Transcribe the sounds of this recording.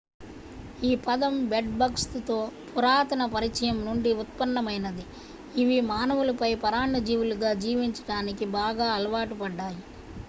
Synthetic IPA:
iːpɐd̪ɐmbeɖ̚bɐkst̪o̞ːpʰuɾaːt̪ɐnɐpɐɾit͡ʃɐjɐmnuɳɖiut̪̚pɐnːɐmɐjnɐd̪i | iʋimaːnɐʋulɐpɐjpɐɾaːɳːɐd͡ʒiːʋuluɡaːd͡ʒiːʋiɲt͡ʃɐ̥ɽaːnikibaːɡaːɐlɐʋaːʈupɐɖːaːji

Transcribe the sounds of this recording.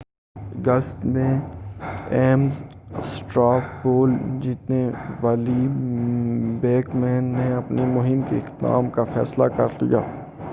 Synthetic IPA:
ɡəst̪mẽ | ɛːm | sʈɾaːpboːld͡ʒit̪neʋaːli | beːkmɛːnːeɐpnimʊɦɪmkeɪqt̪d̪a̰ːmkafɛ̰ːslakɐɾlḭja̰ː

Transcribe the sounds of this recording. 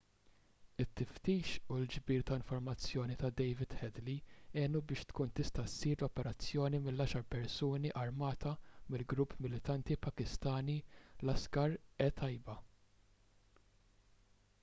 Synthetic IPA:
ɪt̪ːɪft̪iːʃuld͡ʒbiːɾt̪ɐɪɱfɔɾmɐt͡sːjɔːnit̪ɐd̪ɛjvɪd̪̥hɛd̪liɛːnubɪːʃt̪kuːnt̪ɪst̪ɐsiːɾlɔpɛɾɐt͡sːjɔːnimɪlːɐʃɐɾpɛɾsuːniʔɐɾmɐːt̪ʰɐmɪlɡɾupːmɪlɪt̪ɐnt̪ipɐkɪst̪ɐːnilɐskɐɾɛt̪ʰɐjbɐ

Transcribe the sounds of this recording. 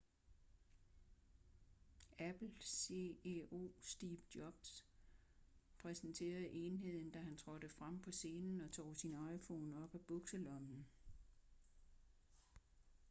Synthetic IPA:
æb̥l̩se̝eo̝̰ːsd̥iːb̥d̥jɒ̽b̥s | pʰʁɛsn̩t͡sʰe̝̰ːɐð̩ˠʔe̝nɦe̝ð̞̰ˠn̩d̥æɦænt͡sʰʁɒ̽ɾ̥əfʁam̰pʰɒ̽se̝ːnn̩ɒ̽t͡sʰɒ̰ːsinɑ̈ɪfɔ̰ːnɒ̽b̥æb̥ɔɡ̥səlɒ̽mn̩

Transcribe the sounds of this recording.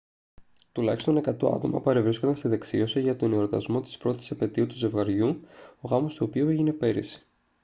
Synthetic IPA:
t̪ulɐçi̥st̪o̞ne̞kɐt̪o̰ɐ̰t̪o̞̰mɐ̰pɐɾevɾisko̞nd̪ɐnst̪iðe̞ksio̞siʝɐt̪o̞neoɾot̪ɐ̰zmo̞t̪i̥spɾo̞t̪i̥sɐpe̞t̪iut̪uze̞vɣɐɾʝuo̞ɣɐmo̞st̪uopiueʝine̞pe̞ɾḭsi̥

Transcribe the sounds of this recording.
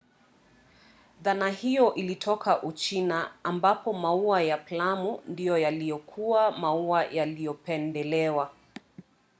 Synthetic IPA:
ðanahijɔʔilitʰɔkʰaʔut͡ʃinaːmbapɔmauajaplamundijɔjalijɔkʰuamauajalijɔpɛndɛlɛwa

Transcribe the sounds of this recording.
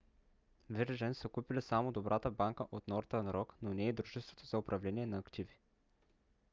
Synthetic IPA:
vɛɾʒɛnsəkupilɛsamod̪obɾʔat̪əbaŋkəʔot̪nɔɾt̪ənɾɔknonɛːd̪ɾuʒɛst̪vot̪ozɐʊpɾɐvlɛniɛnɐːkt̪ivi̥

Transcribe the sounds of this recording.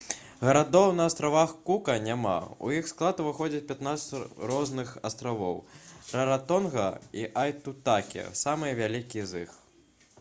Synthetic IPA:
ɣɐɾad̪ɔwnɐːst̪ɾavaxkukɐnʲama̰ṵjixsklˠat̪uvɨxɔd͡zʲɐt͡sʲpʲat̪nat̪sɐt͡sʲrɔznɨxast̪ɾavɔ̰wɾɐɾat̪ɔnɣɐiʔajt̪ut̪akʲɛ̰samɨjɐvʲalʲikʲizix

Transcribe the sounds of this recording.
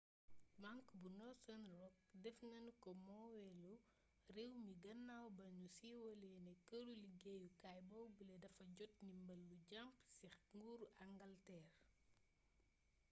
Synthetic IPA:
maŋkbunɔsɐnrɔk̚dɛfnɐnkɔmɔːwɛlu | riwmiɡɐnːawbɐɲusiːwɔlɛnɛkəluliɡɛjukajbɐwbəlɛdɐfɐɟɔt̚nimbɐlːuɟampsixŋɡuːɾɐŋɡɐltɛːr

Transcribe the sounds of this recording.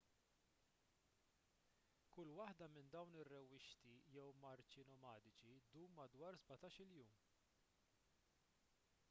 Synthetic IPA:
kʊlːwɐħd̪ɐmɪnd̪ɐwnɪrːɛwːɪʃt̪ijɛwmɐɾt͡ʃɪnɔmɐːd̪ɪt͡ʃid̪uːmːɐd̪wɐːɾzbɐt̪ɐːʃɪljuːm

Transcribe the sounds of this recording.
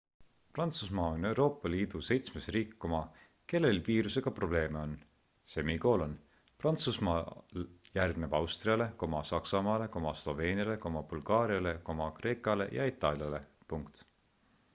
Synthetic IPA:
prɑnt̪susmɑːo̞ne̞wɾo̞ːpːˑɑliːd̪̥use̞jt̪smesriːkkːomɑ | ke̞lːe̞lviːɾuse̞ɡ̥ɑpro̞ble̞ːmeo̞n | se̞miɡo̞ːlo̞n | prɑnt̪susmɑ | jærɡ̥nebɑwst̪riɑle̞ko̞mɑsɑksɑmɑːle̞ko̞mɑslo̞ve̞ːniɑle̞ko̞mɑb̥ulɡ̥ɑːɾiɑle̞ko̞mɑkre̞ːkːˑɑle̞̰jʔɑ̰it̪ːˑɑljɑle̞ | puŋkt̪

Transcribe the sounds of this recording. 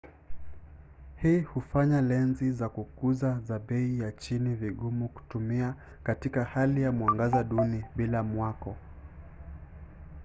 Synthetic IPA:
hiːhufaɲalɛnzizakukuzazaɓɛijat͡ʃiniviɠumuku̥tumia | katikahalijamuaŋɡazaɗuniɓilamwakɔ

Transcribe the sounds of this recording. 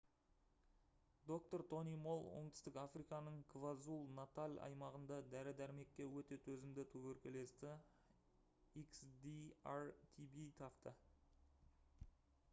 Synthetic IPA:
d̪o̞k̚t̪o̞ɾt̪ʰo̞nijmo̞lˠwoɴt̪ɪ̥st̪ɪkafrikɑnəɴkʰvazulˠnat̪alʲɑ̰jmɑʁənd̪ɑd̪æɾɪd̪æɾme̞kʲːe̞wɵt̪e̞t̪ʰɵzɪmd̪ɪt̪ʰɵwɵɾkʲele̞st̪ɪ | iksd̪iart̪ʰibit̪ʰɑqt̪ə

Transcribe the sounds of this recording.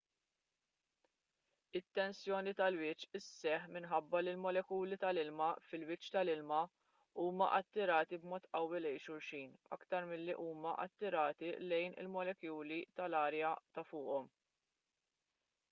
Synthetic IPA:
ɪt̪ːɛnsjɔːnit̪ɐlwɪt͡ʃːɪsːɛħmɪnħɐbːɐlɪlmɔlɛkuːlit̪ɐlɪlmɐfɪlwɪt͡ʃːt̪ɐlɪlmɐ | uːmɐ̰ʔɐt̪ːɪɾɐːt̪ibmɔːt̪ʔɐwːɪlɛjʃʊɾʃiːnɐ̰kt̪ɐɾmɪlːiʔuːmɐʔɐ̰t̪ːɪɾɐːt̪ilɛjnɪ̰lmɔlɛkjuːlit̪ɐlɐːɾjɐt̪ɐfʊːʔɔm

